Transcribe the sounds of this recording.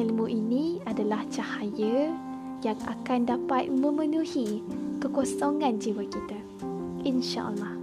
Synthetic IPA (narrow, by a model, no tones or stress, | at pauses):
ilmũʔinĩadalaht͡ʃahajə | jaŋa̰kandapat̪̚mə̃mə̃nũhikəkosoŋãnd͡ʒiwakit̪a | ʔinʃa̰ʔə̰lːɑh